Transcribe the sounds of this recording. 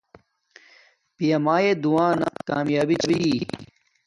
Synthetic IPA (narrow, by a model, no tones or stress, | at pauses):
pijɐmaːjed̪uwaːna̰ka̰ːmjaːbit͡ɕbi